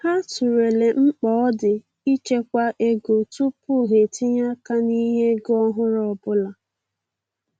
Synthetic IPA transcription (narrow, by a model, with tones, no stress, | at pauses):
ha˦tu˨ɾe˨le˨ŋ͡m̩˦k͡pɔː˨˦dɪ˨ | i˦t͡ʃe˦kʷa˦ʔe˦ɡo˨tʊ˦pʊ˦ɦe˨tɪ˦ɲa˦ka˦ni˦ɦe˦ɡɔ˦ɦʊ˦ɾɔ˨bʊ˦la˨